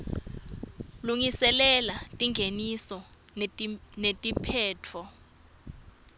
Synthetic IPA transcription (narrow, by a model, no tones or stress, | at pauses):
luŋisɛlɛlatʼiŋɡʱenisɔ | netʼipʰɛːtʰɔ